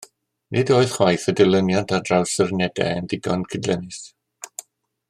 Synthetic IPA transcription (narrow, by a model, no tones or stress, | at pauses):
nʔɪdoːɨðχwajθədəlˠənjɔntʰadrawsərnɛdɛ̰əndɪɡɔnkʰɪdlɛnɪs